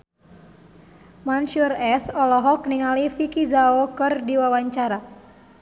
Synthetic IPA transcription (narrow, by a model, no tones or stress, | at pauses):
mansurɛsɔlɔɦɔk̚niŋalifikizaokɨrdiwawaɲt͡ʃaɾa